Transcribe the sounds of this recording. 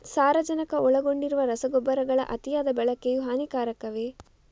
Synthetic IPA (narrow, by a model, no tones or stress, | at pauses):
saːɾɐd͡ʒɐnɐkɐʔɔɭɐɡo̞ɳɖiɾuʋɐɾɐsɐɡɔbːɐɾɐɡɐɭɐ̰ʔɐt̪ijaːd̪ɐbɛɭɐkːejuɦaːnikaːɾɐkːɐʋe